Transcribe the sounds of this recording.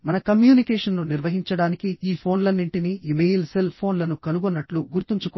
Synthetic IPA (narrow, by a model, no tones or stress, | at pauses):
mɐnɐkɐmjuːnikeːʂɐnːuniɾʋɐɦiɲt͡ʃɐɽaːnikiiːpʰo̞ːnlɐnːiɳʈiniimejlselpʰo̞ːnlɐnukɐnuɡonːɐʈluɡuɾt̪iɲt͡ʃukː